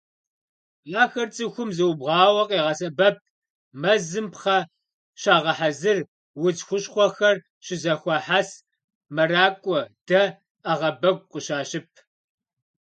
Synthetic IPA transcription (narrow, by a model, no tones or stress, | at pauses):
aːxɐrt͡sʼɨxʷʊmzɨwʊbʁɑːwɐqʼeːʁɑsʼɐbɐp̚ | mɐzɨmpχɐ | ʃaːʁɐħazɨr | wʊd͡ʒxʷʊɕχʷɔxɐr | ɕɪzɐxʷɔħaːs | mɐraːkʷʼɔd̥ɐ | ɐʁɐbɐɡʷqʷʼəɕaːɕɪp̚ʰ